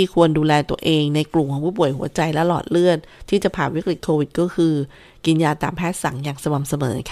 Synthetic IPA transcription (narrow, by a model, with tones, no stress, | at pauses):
iː˥˩kʰu˧ənduː˧lɛː˧t̪u˧əʔeː˧ŋna˧jklu˨˩kʰɔː˩˦pʰuː˥˩pu˨˩əjɦu˨˩˦ɐt͡ɕa˧jlɛ˦˥lɔ̰ː˨˩t̪̚lɯ˥˩ət̪̚ʰːiː˥˩t͡ɕa˨˩pʰaː˨˩nwi˦˥k̚ɾi˨˩t̪̚kʰoː˧wi˨˩t̪̚kɔː˥˩kʰɯː˧ | ki˧njaː˧t̪aː˨˩mpʰɛː˥˩t̪̚sa˨˩˦ŋjaː˨˩ŋsa˧wa˨˩msa˧mɤː˩˦kʰ